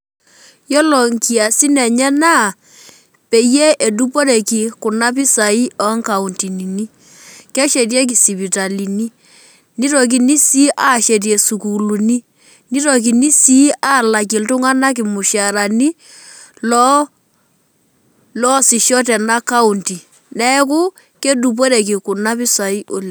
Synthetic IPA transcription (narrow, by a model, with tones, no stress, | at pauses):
jɔ˦lɔ˨ŋki˨a˨si˦nɛ˨ɲɛ˦na˦˨ | pe˨jɛ˦ʔe˨du˦pɔ˦ɾɛ˨ki˨kʊ˨na˦p̬i˦sa˨i˦ɔ˦ŋka˨u˨nti˨ni˨ni˦ | kɛ˦ʃɛ˨tjɛ˦k̬i˨si˨pi˨ta˨li˨ni˦ | ni˦ɾɔ˨k̬i˨ni˦si˦ʔa˦˨ʃɛ˨t̬jɛ˨su˨ku˨lu˨ni˦ | ni˦ɾɔ˨k̬i˨ni˦si˦a˦˨la˨k̬ɪ˨ltʊ˦ŋa˦na˦k̬ɪ˨mʊ˨ʃa˨ɾa˨ni˦ | lɔ˦ | lɔ˦sɪ˨ʃɔ˦t̬ɛ˨na˦ka˦u˨nti˨ | nɛ˦k̬ʊ˦ | ke˦du˨p̬ɔ˦ɾɛ˨k̬ɪ˨kʊ˨na˦pɪ˦sa˨i˦ʔʊ˦l